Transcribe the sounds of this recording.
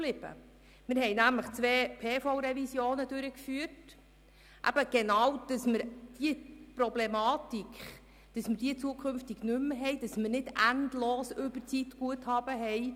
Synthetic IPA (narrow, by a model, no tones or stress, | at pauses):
lɪb̥ə̰ | mɪɾɦɛjnæmləχt͡sʋeːpʰeːfɔwɾɛvisjoːnədʉɾəkfyːət | ʔæ̰b̥əɡ̥enɑwd̥ɑsməɾd̥iəprɔblemɑːtikχ | d̥ɑsmərd̥iːət͡suəkʰχʏmftiɡnʏmɦɛjd̥ɑsmərnɪdændloːsʏbət͡sitɡ̥uəthɑːb̥əɦɛɪ